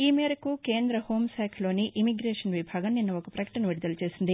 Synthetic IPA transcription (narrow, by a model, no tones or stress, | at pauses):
iːmeːɾɐkuke̞ːnd̪ɾɐho̞ːmsɛːkʰɐlo̞ːniʔimiɡɾeːʂɐnʋibʱaːɡɐmninːɐɔkɐpɾɐkɐ̥ʈɐnɐʋiɽid̪ɐlɐt͡ʃe̞ːsind̪i